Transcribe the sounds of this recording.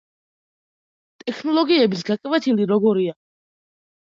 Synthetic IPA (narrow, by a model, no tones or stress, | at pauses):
t̪ʼɛkʰnɔlˠɔɡiɛbis̬ɡakʼvɛt̪ʰiliɾɔɡɔɾia